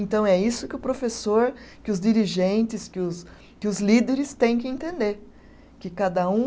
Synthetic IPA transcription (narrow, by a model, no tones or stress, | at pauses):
ẽnt̪ɐ̃w̃ɛisʊkɪʊpɾofesoɾkɪʊzd͡ʒiɾiʒẽnt͡ʃɪskɪʊs | kɪʊzlid̪eɾɪst̪ẽj̃kɪẽnt̪ẽnd̪eɾ | kɪkad̪ɐũ